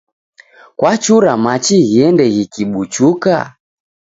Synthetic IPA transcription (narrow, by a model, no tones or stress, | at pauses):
kwat͡ʃuɾamat͡ʃiɣiɛndɛɣikiɓut͡ʃuka̰